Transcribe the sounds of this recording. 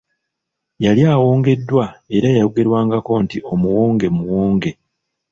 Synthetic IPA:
jaljaːwo̞ːŋɡe̞dːwae̞ɾajajuɡe̞ɾwaːŋɡako̞ntiʔo̞muwo̞ːŋɡe̞muwoːŋɡe̞

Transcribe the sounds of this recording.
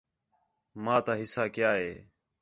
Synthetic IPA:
maːt̪aːɦɪsaːkjaːɦeː

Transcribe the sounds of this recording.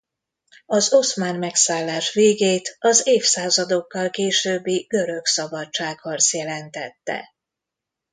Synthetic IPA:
ɒzo̞smaːnmɛksaːlːaːʃʋeːɡeːt̪ɒzeːfsaːzɒd̪o̞kːɒlkeːʃøːbːiɡ̥ø̞ɾø̞ksɒbɒt͡ʃt͡ʃːaːkhɒrt̪sjɛlɛnt̪ɛt̪ːɛ̰

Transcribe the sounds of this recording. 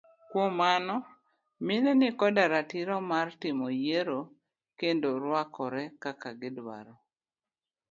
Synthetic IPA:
kwomanɔ | minɛnɪkɔdaɾatiɾɔmartɪmɔjeɾo | kendoɾwakɔɾɛkakaɡɪdwa̰ɾɔ

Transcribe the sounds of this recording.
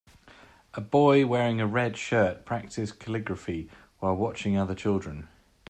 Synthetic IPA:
ʔəbɔɪwɛːɹɪ̃ŋəɹɛd̥ʃɜˑʔpʰɹ̥ak̚tʰɪskʰəlɪɡɹəfi | waɪlˠwɒt͡ʃɪ̃ŋʌðət͡ʃʰɪlˠdɹə̃n

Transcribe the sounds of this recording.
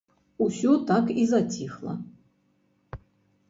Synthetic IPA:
usʲut̪akizatʲʰixlˠɐ̰

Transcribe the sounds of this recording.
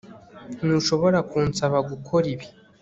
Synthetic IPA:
nuʃo̞βo̞ɾakuːnsaβaɡukʰo̞ɾiβi

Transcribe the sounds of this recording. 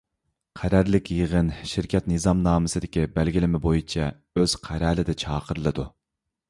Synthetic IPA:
qʰæɾæɾlɪkʲjəʁənʃɪɾkʲʰɛt̪nɨzɑmnɑːmɨsɨd̪ɪkʲibælɡʲilɪmɪbojit͡ʃʰɛ | øz̥qʰæɾɛːlɪd̪ɛt͡ʃʰɑːqʰəɾɨlˠɨd̪u

